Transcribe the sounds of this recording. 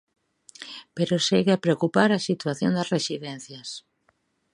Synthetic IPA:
peɾoseɣeapɾeokupaɾɐsit̪waθjo̰nd̪ɐsresiðɛn̟θjɐs

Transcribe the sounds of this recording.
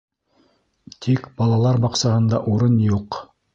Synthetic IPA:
t̪ʰikbɑlˠɑlˠɑɾbɑqsɑhɤ̆nd̪ɑʔuɾɤnjuq

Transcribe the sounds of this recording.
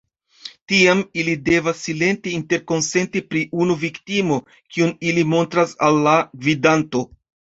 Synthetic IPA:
tiamilide̞vasːile̞ntiinte̞ɾko̞nse̞ntipɾiʔunuviktimo̞ | kiunilimo̞ntɾasalːaɡvidanto̞

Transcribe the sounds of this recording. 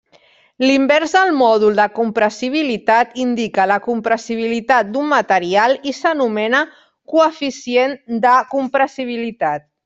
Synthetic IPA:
limbɛɾzðəlˠmɔð̞ulˠd̪əkumpɾəsiβ̞ilit̪at̪ind̪ikələkumpɾəsiβ̞ilit̪at̪̚d̪umːat̪əɾialisənumɛnə | kuəfisiend̪əkumpɾəsiβ̞ilit̪at̪̚

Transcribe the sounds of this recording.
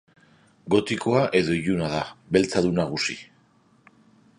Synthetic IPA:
ɡo̞t̪iko̞aʔe̞ðo̞iʎunað̞aβe̞lt͡saðunaɣ̞usi

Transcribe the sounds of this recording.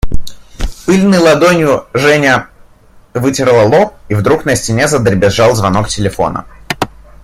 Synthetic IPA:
pɨlʲnɨjlˠɐd̪onʲjʊʐɛnʲə | vɨtʲɪɾlˠəlˠop̚ivd̪ɾuknəsʲtʲɪnʲezəd̪ɾʲɪbʲɪʐalˠzvɐno̞k̚tʲɪlʲɪfo̞̰nə̰

